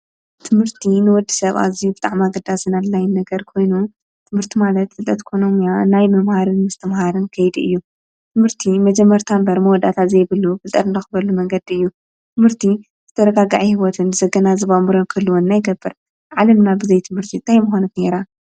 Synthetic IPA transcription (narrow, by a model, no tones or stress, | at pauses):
t̪ʰɨmɨɾt̪ʰinɨwɔd̪ːi̥sɐβa̰zijubɨt̪ʼaʕmaɡɐd̪asɨnallajɪnːɐɡɐɾkʰo̞jnu | t̪ʰɨmhɨɾt̪ʰimalɐt̪ːɨlt̪ʼɐt̪ʼikʰo̞no̞mjanajmɐmhaɾɨnmɨst̪ʰɐmhaɾɨnkʰɐjd̪iɨ̰jːu | t̪ʰɨmhɨɾt̪ʰimɐd͡ʒɛmːɐɾt̪ʰambɐɾmɐwɔd̪at̪ʰazejβɨlːufɨlt̪ʼɐɾɨnd̪ɐxɨbɐlːumɐŋɡɐd̪iɨjːu | t̪ʰɨmhɨɾt̪ʰi | zɨt̪ʰɐɾɐɡaɡaʕihiwɔt̪ʰɨnzɐɡɐnazɨβamɨɾonkʰɨlːuwɔnːajɡɐbːɨɾ | ʕalɐmnabɨzɐjt̪ʰɨmhɨɾt̪ʰint̪ʰajmuxonut̪ne̞ɾa